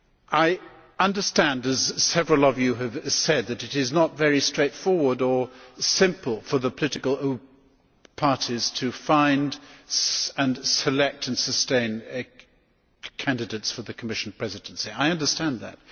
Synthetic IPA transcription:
ʔaɪ | ʌ̃ndə˞stæ̃ndɨz̥sɛvɹəl̩ˠʌvjɨɨv̥sɛd̪̚ðɨɾɨɾɪznətvɛɹistɹ̥eɪtfɔɹwə˞də˞sɪ̃mpl̩ˠfə˞ðəpʰəlɪɾɨkəl̩ˠo | pʰɑɹɾiz̥tʰɨfãɪ̃nd | ɨ̃nsɨlɛk̚tʰɨ̃nsɨstẽɪ̃n | kʰæ̃ndɨdeɪtsfə˞ðɨkʰəmɪʃn̩pʰɹ̥ɛzɨd̃nsiaɪʌ̃ndə˞stæ̃nðɨ̰t̚

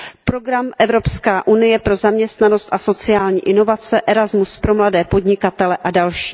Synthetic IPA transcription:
pɾo̞ɡɾamʔɛvɾo̞pskaːʔunɪjɛpɾo̞zamɲɛst̪nano̞st̪ʔaso̞t͡sɪjaːlɲiːʔɪno̞vat͡sɛʔɛɾazmuspɾo̞mladɛːpo̞dɲɪkat̪ɛlɛʔadalʃiː

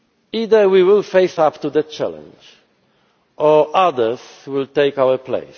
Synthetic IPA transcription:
id̪ə˞wiwɪlfeɪsapt̪ud̪ɛt͡ʃæ̰lɛ̰̃nd͡ʒ | ʔɔʔadə˞swɪlt̪eɪkawəplḛɪs

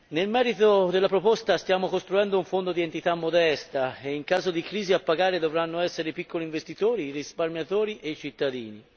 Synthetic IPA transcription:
nelmɛːɾit̪od̪elːapɾopost̪ast̪jaːmokost̪ɾuɛnd̪ouɱfond̪od̪ient̪it̪amːod̪ɛst̪aeiŋkaːzod̪ikɾiːziapːaɡaːɾed̪ovɾanːoɛsːeɾeipikːoliɱvest̪it̪oːɾiːrisparmjat̪oːɾiʔeit͡ʃit̪ːad̪ḭːni

